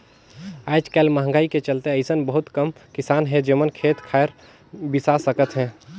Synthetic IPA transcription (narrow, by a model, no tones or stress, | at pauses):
aːd͡ʒkɛːlmaɦə̃ŋ̆ɡaːiket͡ʃəlt̪eəɪsənbəɦʊt̪kəmkɪsaːnɦɛ̃d͡ʒemənkʰeːt̪kʰaːəɾ | bɪsasəkət̪ɦɛ̃ː